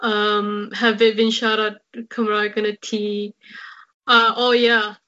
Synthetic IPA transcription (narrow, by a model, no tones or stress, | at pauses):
ʔʌ̃mhəvɪt̚bɪ̃nʃaɾad̚kʰʌ̃mɹaʊɡ̥ʌnɨtʰi | ʌʔoʊjæ